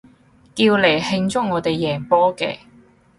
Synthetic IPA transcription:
kiː˧wle˨˩jhɪ˧ŋt͡sʊ˥ŋŋɔː˨˧t̪e˨jːɛː˨˩ŋpɔː˥kɛ̰ː˧

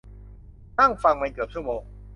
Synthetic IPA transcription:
t̪a˥˩ŋfa˧ŋma˧nkɯ˨˩p̚t͡ɕʰu˥˩moː˧ŋ

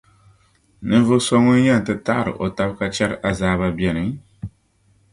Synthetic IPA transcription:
nɨ˦n˦vɨ˦so˦ŋɨ˦n˦jɛ˦˨n̩˨tɨ˦ta˦˨ɾɨ̰˨ʔo˨ta˦bka˦t͡ʃɛ˦ɾɨ˦ʔa˨zaː˦βa˦bjɛ˨nɨ˨ŋ

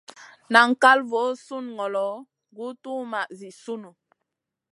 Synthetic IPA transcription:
na˨ŋ̩˨ka˦lvo˨˦su˦˨nŋɔ˨lɔ˨˦ | ɡu˦tu˦ma˨ʔzi˨su˦nu˨

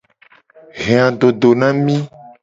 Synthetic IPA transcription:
ɣẽ˨ã˨ɖo˨ɖo˨nã˦mĩ˦

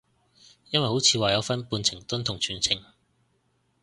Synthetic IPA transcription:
jɐ˥nwɐ˨jho˨˥wt͡sʰiː˨˧waː˨jɐ˨˧wfɐ˥npuː˧nt͡sʰɪ˨˩ŋt̪ɵ˥nt̪ʰʊ˨˩ŋt͡ʃʰyː˨˩nt͡sʰɪ˨˩ŋ

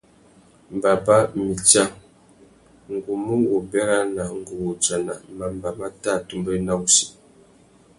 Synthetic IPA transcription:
m˨ba˨ba˦mi˨t͡ʃa˦ŋ | ŋ˨ɡu˨mu˦ŋwu˨bɛ˦ɾa˦na˨ŋ̩˨ɡu˨wo˨t͡sa˨na˨ma˨mba˨ma˦ta˦˨tu˦mbə˦na˦u˦si˨

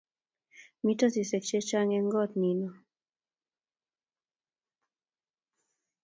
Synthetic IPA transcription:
mi˦tɔ˦si˨se˨k̚t͡ʃe˦t͡ʃa˦ŋɛ˦ŋɡɔ˦˨tni˨nɔ˨

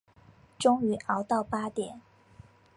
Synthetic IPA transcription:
ʈ͡ʂʊ˥ŋy˧˥ʔɑ˧˥ʊt̪ɑ˥˩ʊpa˥t̪jɛ˨˩˦n

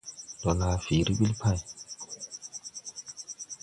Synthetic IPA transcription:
dɔ˨na˨fi˨ɾi˦ɓi˦lpʰa˦˨j

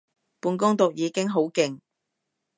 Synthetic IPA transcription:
puː˨˧nkʊ˥ŋt̪ʊ˨k̚jiː˨˧kɪ˥ŋɦo˨˥wkɪ˨ŋ

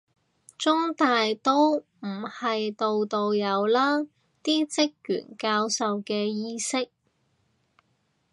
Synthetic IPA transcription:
t͡sʊ˥ŋt̪aː˨jt̪o˥w | m̩˨˩hɐ˨jt̪o˨wt̪o˨wjɐ˨˧wlaː˥ | t̪iː˥t͡sɪ˥k̚jy̰˨˩nkaː˧wsɐ˨wkɛː˧jiː˥sɪ˥k̚

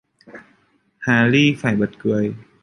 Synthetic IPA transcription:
haː˨˦liː˥˩faː˨˩jbo˨˩t̪̚kɯ˧˩əj

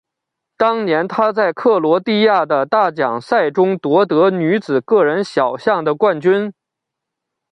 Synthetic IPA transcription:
t̪ɑ˥ŋnjɛ˧˥nt̪ʰa˥t͡sa˥˩˧ɪkʰɤ˥˩lwɔ˧˥t̪i˥˧ja˥˩d̪ə˩t̪a˥˩t͡ɕjɑ̰˨˩ŋsa˥˩ɪʈ͡ʂʊ˥ŋt̪wɔ˧˥t̪ɤ˧˥ny˧˥t͡sɹ̩˨˩kɤ˥˩ɻə˧˥nɕjɑ˨˩ʊɕjɑ˥˩ŋd̪ə˩kwa˥˩nt͡ɕy˥n

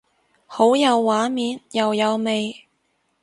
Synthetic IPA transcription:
ho˨˥wjɐ˨˧wːaː˨˥miː˨˧njɐ˨wjɐ˨˧wme˨j

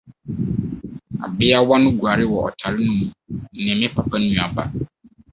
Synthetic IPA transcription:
a̰˨bɪ˦a˦wa˦nʊ̃˦ɡu˨a˨ɾɪ˦wɔ˨ɔ̰˨tʰa˨ɾɪ˦nʊ̃˦mũ˨nɛ̃˨mɪ̃˦pʰa˨pʰa˦n˦ũ˨a˨ba̰˨

